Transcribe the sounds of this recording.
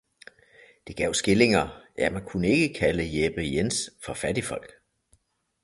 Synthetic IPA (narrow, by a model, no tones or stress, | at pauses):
d̥e̝ɡ̥ɛ̰ʊ̰sɡ̥e̝le̝ŋɐjæmænkʰunəe̝ɡ̥əkʰæləjelb̥əjensfɒfæd̥ifɒ̽l̰ɡ̥